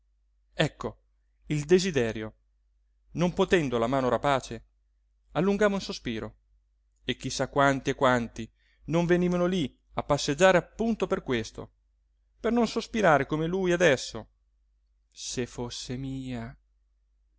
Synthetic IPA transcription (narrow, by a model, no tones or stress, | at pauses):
ɛkːo | ild̪ezid̪ɛːɾjo | nompot̪ɛnd̪olamaːnoɾapaːt͡ʃe | alːuŋɡaːmoinsospiːɾo | ek̟ːisːakːwant̪iekːwant̪i | noɱveniːvanoli | apːasːed͡ʒːaːɾeapːunt̪operkwest̪o̰ | pernonsospiɾaːɾekomelujad̪ɛsːo | sefosːemiːa